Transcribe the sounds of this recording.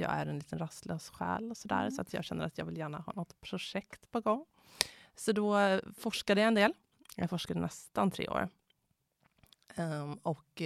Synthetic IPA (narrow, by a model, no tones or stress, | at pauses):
jɑ̰ːɡæɾɛnliːt̪ənɾast̪løːsɧæ̰ːlɔsɔd̪æ̰ːɾsɔat̪ʰjɑ̰ːɡɕɛnːəɾat̪ʰjɑːɡvɪljæːɳaɦɑ̰ːnɔt̪ːpʰɾʊʂɛkt̪pʰɔɡɔŋː | sɔd̪ɔfɔʂkad̪əjaɛnd̪eːl | jɑ̰ɡfɔʂkad̪ənɛst̪ant̪ʰɾḛːo̰ːɾ | ɔk